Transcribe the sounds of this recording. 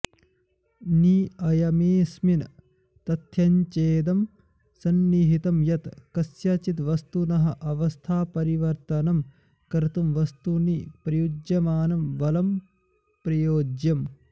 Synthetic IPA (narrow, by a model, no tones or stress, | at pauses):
niːɐjɐmeːsmin | t̪ɐt̪ʰjɐɲt͡ʃeːd̪ɐm | sɐnːiɦit̪ɐmjɐt̪kɐsjat͡ʃit̪ʋɐst̪unɐɦɐʔɐʋɐst̪ʰaːpɐɾiʋɐɾt̪ɐnɐm | kɐɾt̪ɐmʋɐst̪unipɾɐjud͡ʒjɐmaːnɐmʋɐlɐm | pɾɐjoːd͡ʒjɐm